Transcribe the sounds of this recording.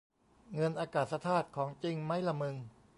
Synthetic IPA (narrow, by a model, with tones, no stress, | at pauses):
ŋɤ˧nʔaː˧kaː˨˩t̪̚sa˧t̪ʰaː˥˩t̪̚kʰɔː˩˦ŋt͡ɕi˧ŋma˦˥jla˧mɯ˧ŋ